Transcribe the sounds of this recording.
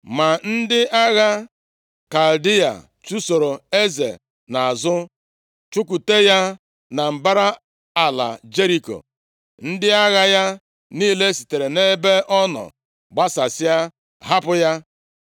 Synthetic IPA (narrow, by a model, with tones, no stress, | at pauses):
ma˨n̩˦dɪ˦a˦ɣa˦ | ka˨ldi˦a̰˨ | t͡ʃu˦so˨ɾo˨e˦zḛ˨ | na˨a˨zʊ˦ | t͡ʃʊ˦k̬u˨te˦ja˦ | na˨m̩˨ba˦ɾa˦ | a˨la̰˨d͡ʒe˦ɾi˨ko̰˨ | n̩˦dɪ˦a˦ɣa˦ja˦ | niː˦le˦si̥˨te˨ɾe˨ne˦be˦ʔɔ˦nɔ̰˨ | ɡ͡ba˦sa˨sɪ˦a˦ | ɦa˦pʊ˦ja˦